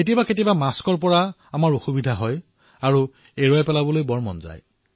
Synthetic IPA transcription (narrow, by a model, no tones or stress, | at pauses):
etibaket̬ibamaskɔɹpɔɹa | amaɹoxubidʱaɦɔj | aɹu | eɹɔjpɛlabɔlojbɔɹmɔ̰nza̰j